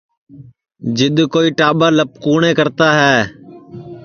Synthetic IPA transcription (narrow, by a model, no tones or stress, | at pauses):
d͡ʒɪɗ̪koːiːʈaːɓaːləp̚kuːɳẽːkəɾt̪aːɦɛː